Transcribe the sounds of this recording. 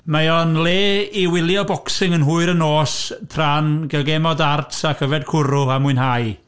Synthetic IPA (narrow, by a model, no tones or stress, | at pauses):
maɔnleːiwɪlˠjɔbɔksɪŋənɦʊːɨɾənoːstʰranɡɛlˠɡɛmɔdartʰakʰəvɛd̚kʰʊɾʊamʊɨnɦaj